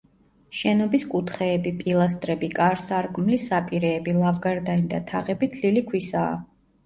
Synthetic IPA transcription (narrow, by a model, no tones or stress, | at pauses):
ʃɛnɔbiskʼut̪ʰχɛːbipʼilˠas̬t̪ʼɾɛbikʼaɾsaɾkʼmlisapʼiɾɛːbilˠavɡaɾd̪anid̪at̪ʰaʁɛbit̪ʰlilikʰwisa̰ː